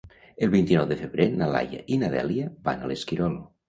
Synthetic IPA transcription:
əlˠβint̪inɔwðəfeβɾenala̰ja̰ʔinaðɛ̰liəba̰naleskiɾɔlˠ

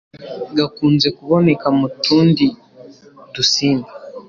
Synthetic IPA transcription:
ɡakuːnze̞kuβo̞ne̞kamutuːndi | dusiːnba

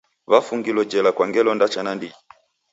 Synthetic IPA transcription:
βafuŋɡilɔd͡ʒɛlakwaŋɡɛlɔndat͡ʃanandi

